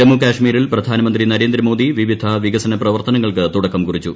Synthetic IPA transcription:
ɐmːukaːʂmiːɾilprɐd̪ʱaːnɐmɐnd̪rinɐɾeːnd̪ɾɐmo̞ːd̪iʋiʋid̪ʱɐʋiɡɐsɐnɐprɐʋɐrt̪ɐnɐŋːɐɭkɨt̪uɽɐkːɐmkurit͡ɕːu

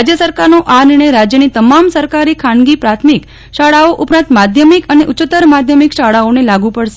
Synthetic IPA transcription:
d͡ʒjəsəɾkaɾnoʔaniɳ̃əjɾad͡ʒjənit̪əmamsəɾkaɾikʰanɡipɾat̪ʰmik | ʃaɽaoʔʊpɾãnt̪mad̪ʱjəmikəneʔʊt͡ʃɪt̪əɾmad̪ʱjəmikʃaɭaonelaɡũpəɽʃe

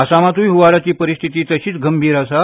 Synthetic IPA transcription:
əsamat̪ʰujɦuʋaɾat͡ɕiːpəɾist̪ʰit̪iːt̪əɕiːt͡sɡəmbʱiːɾasa

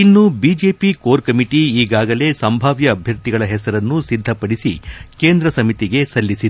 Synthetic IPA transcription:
inːubiːd͡ʒe̞ːpikoːɾkɐmiʈiiːɡaːɡɐle̞sɐmbʱaːʋjɐːbʱjɐɾt̪iɡɐɭɐɦɛsɐɾɐnːusid̪ʱːɐpɐɽisḭke̞ːnd̪ɾɐsɐmit̪iɡe̞sɐlːisid̪

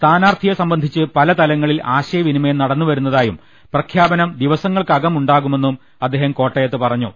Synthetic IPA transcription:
st̪ʰaːnaːrt̪ʰijɐsɐmbɐnd̪ʱit͡ɕːɨpɐlɐt̪ɐlɐŋːɐɭilaːɕɐjɐʋinimenɐɽɐnːuʋɐɾunːɐðaːjum | prɐkʰjaːbɐnɐmd̪iʋɐsɐŋːɐɭkɐɣɐmuɳɖaːɣume̞nːum | ɐd̪ːeɦɐmko̞ːʈːɐjɐt̪ːɨpɐrɐɲːṵ

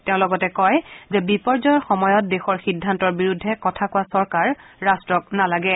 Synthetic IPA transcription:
teʊ̃lɔɡɔtɛkɔjzɛbipɔɹzɔjɔɹxɔmɔjɔt̚dexɔɹxidʱːantɔɹbiɹudʱːɛkɔtʰakowasɔɹkaɹːastɹɔk̚nalaɡɛ

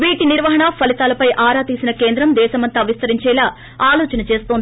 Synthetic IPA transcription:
ʋiːʈiniɾʋɐɦɐɳɐpʰɐlit̪aːlɐpɐjʔaːɾaːt̪iːsinɐkeːnd̪ɾɐmd̪ɛːʃɐmɐnt̪aːʋist̪ɐɾiɲt͡ʃɛːlaː | aːloːt͡ʃɐnɐt͡ʃe̞ːst̪oːnd̪i

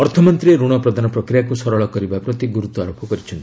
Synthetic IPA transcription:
ɔɾt̪ʰɔmɔnt̪ɾieɾuɽ̃ɔpɾɔd̪ʱanɔpɾɔkɾijakusɔɾɔɭɔkɔɾibapɾɔt̪iɡuɾut̪ɔaɾopʰɔkɔɾit͡ʃʰɔnt̪i

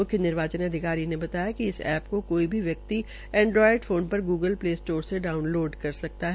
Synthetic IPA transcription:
mʊkʰjənɪɾʋaːt͡ʃənɐd̪ʱɪkaːɾinebɐt̪aːjakiɪsɛ̰ːpkokoːibʱiʋjɐk̚t̪i | ɛ̃ːɳɖɾɔːɪɖfoːnpɐɾɡuːɡəlpleːsʈoːɾseɖaːʊnloːɖkɐɾsɐk̚t̪aɦɛ

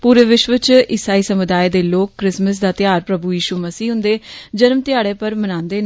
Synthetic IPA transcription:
puːɾeːʋɪʃʋət͡ʃɪsaːiːsəmʊd̪aːeːd̪eːloːkːɾɪsməsd̪aːt̪ɪjaːɾpɾəbuːjiːʃuːməsiːɦʊ̃nd̪eːd͡ʒəɾmt̪ɪjaːɽeːpəɾmənãːnd̪eːn

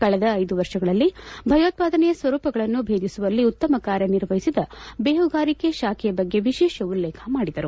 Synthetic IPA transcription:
kɐɭɛd̪ɐːjd̪uʋɐɾʂɐɡɐɭɐlːibʱɐjoːt̪̚paːd̪ɐnɛjɐsʋɐɾuːpɐɡɐɭɐnːubʱe̞ːd̪isuʋɐlːiut̪ːɐmɐkaːɾjɐniɾʋɐɦisid̪ɐbeːɦuɡaːɾikeʃaːkʰɛjɐbɐɡːe̞ʋiʃɛːʃɐulːɛːkʰɐmaːɽid̪ɐɾu

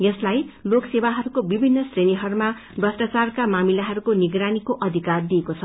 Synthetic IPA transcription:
jeslajloksebaɦʌɾukobibʱinːʌsreniɦʌɾuma | brʌsʈat͡sarkamamilaɦʌɾukoniɡɾanikoʔʌd̪ʱikard̪iekot͡sʰʌ

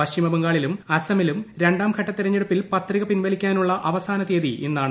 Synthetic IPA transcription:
ʋɐɕimɐbɐŋɡaːɭilumɐsɐmilumɾe̞ɳɖaːmkʰɐʈːɐt̪ːiɾɐɲːeɽupːilpɐt̪riɣɐpinʋɐlikʲːaːnuɭːɐʔɐʋɐsaːnɐt̪eːðiʔenːaːɳɨ

